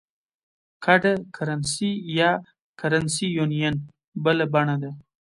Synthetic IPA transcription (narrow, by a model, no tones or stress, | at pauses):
kʰaɖakʰaɾansija | kaɾansijunijan | bəlabaɳad̪a